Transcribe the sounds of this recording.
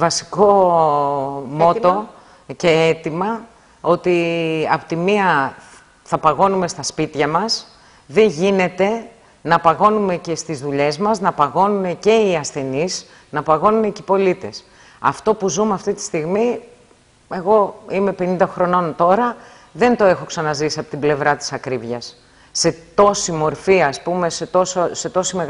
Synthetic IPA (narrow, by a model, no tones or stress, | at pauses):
vɐsi̥ko̞ | mo̞t̪o̞ | ce̞et̪imɐ | o̞t̪iɐpo̥t̪imiɐ | θɐpɐɣo̞nume̞st̪ɐspit̪çɐmɐs | ðe̞ɲʝine̞t̪e̞ | nɐpɐɣo̞nume̞ce̞st̪izðuʎe̞zmɐznɐpɐɣo̞nune̞ce̞iɐsθe̞nis | nɐpɐɣo̞nune̞cipo̞lit̪e̞̰s | ɐ̰ft̪o̞puzumeɐft̪it̪i̥st̪iɣmi | e̞ɣo̞ime̞penind̪ɐxɾo̞no̞nt̪o̞ɾɐ | ðe̞nt̪o̞e̞xo̞ksɐnɐzisiɐpo̞t̪ible̞vɾɐt̪i̥sɐkɾivʝɐsː | e̞t̪o̞simo̞ɾfiɐspume̞set̪o̞sose̞t̪o̞sime̞ɣ